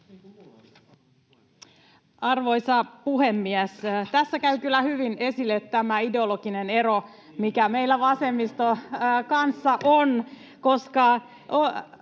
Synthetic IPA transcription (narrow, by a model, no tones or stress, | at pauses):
ɑrʋo̞jsɑpuhemːiæst̪æsːækæykylːæhyʋine̞silːet̪ːæmæideoloɡ̥inene̞ɾo | mikæmeilːæʋɑse̞mːist̪okɑnsːɑʔon | ko̞skɑ | o